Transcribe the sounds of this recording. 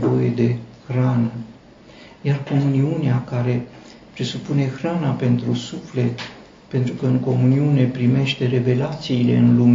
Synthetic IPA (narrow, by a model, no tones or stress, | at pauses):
voje̞d̪e̞xɾanə | jarko̞muniuneakaɾe̞ | pɾe̞supune̞xɾanape̞nt̪ɾusufle̞t̪ | pe̞nt̪ɾukəɨŋko̞muniune̞pɾime̞ʃt̪e̞ɾe̞ve̞lat̪siːle̞̰ɨnlume